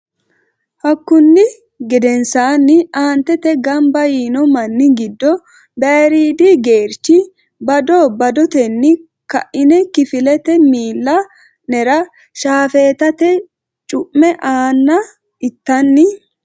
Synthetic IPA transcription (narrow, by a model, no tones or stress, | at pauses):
hɐkːʊnːɪ | ɡɛd̪ɛnsaːnːɪaːnt̪ɛt̪ɛɡɐmbɐjiːnɔmɐnːɪɡɪd̪ːɔ | beːɾiːd̪iɡe̞ːɾt͡ʃːɪ | bɐd̪ɔbɐd̪ɔt̪ɛnːɪ | kɐʔɪnɛkɪfɪlɛt̪ɛmiːlːɐ | nɛɾɐ | ʃaːfeːt̪ɐt̪ɛ | t͡ʃʼʊʔmɛʔaːnːɐ | ɪt̪ːɐnːɪ